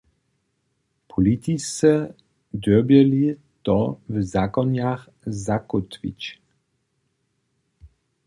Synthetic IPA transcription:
pʰɔlit̪isɛ | d̪ɔbjɛli | t̪ɔvzakɔnjax | zakut̪vḭt͡ɕ

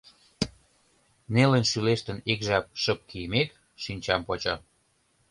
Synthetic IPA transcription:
nelənʃyleʃt̪ə̆nekʒɑp̚ʃə̆p̚kijəmek | ʃinʲt͡ɕɑmpot͡ɕɑ

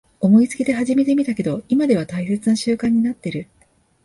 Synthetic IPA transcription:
o̞mo̞it͡sɨ̥kʲid̪e̞ɦaʑime̞t̪e̞mʲit̪ake̞d̪o̞imad̪e̞β̞at̪aise̞t͡sɨnaɕɨːkãɲ̟ːinat̪ːe̞ɾɯ̟

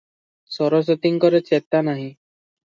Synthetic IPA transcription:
sɔɾɔs̬ɔt̪iŋkɔɾet͡ʃet̪anaɦĩ

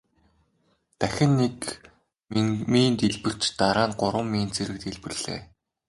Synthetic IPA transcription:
t̪æxʲɪ̆nːek | miːnt̪iɮpɘ̆r̥t͡ɕt̪aɾaːnɢʊɾwə̆mːiːnt͡sʰeɾɘ̆k̚t̪iɮpɘ̆ɮ̥ḛː

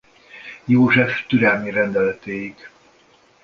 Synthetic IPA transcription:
joːʒɛft̪yɾɛlmiɾɛnd̪ɛlɛt̪eːjik

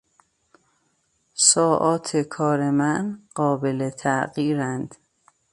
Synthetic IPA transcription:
sɒːʔɒːt̪ʰekʰɒːɾemænɢ̥ɒːbelet̪ʰæʔɢiːɾænd̪̥

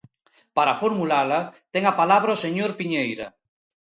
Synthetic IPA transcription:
paɾafoɾmulalat̪ɛŋapalaβɾaoseɲoɾpiɲejɾa̰

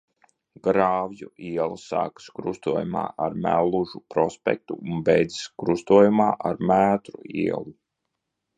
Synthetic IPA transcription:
ɡ̥ɾaːvjuʔiɛlˠsa̰ːkɨ̥skɾust̪uɔjuma̰ːʔaɾmæ̰lˠːuʒupɾɔspʲɛ̰k̚t̪uunbɛjd̪zi̥skɾust̪uɔjumaːʔaɾmæːt̪ɾuḭɛlˠu

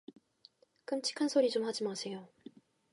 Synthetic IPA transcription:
kɯmt͡ɕʰi̥kʰansʰoɾit͡ɕomhad͡ʑimasʰe̞jo

